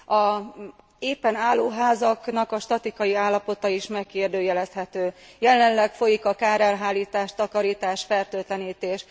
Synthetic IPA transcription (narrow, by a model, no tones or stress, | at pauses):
ɒ | eːpːɛnaːlːoːɦaːzɒknɒkɒʃt̪ɒt̪ikɒjiaːlːɒpo̞t̪ɒiʃmɛkkeːrd̪øːjɛlɛst̪hɛt̪øːjɛlɛnlɛkfo̞jikɒkaːɾɛlɦaːlːiːt̪aːʃt̪ɒkɒɾiːt̪aːʃfɛrt̪øːt̪lɛniːt̪eːʃ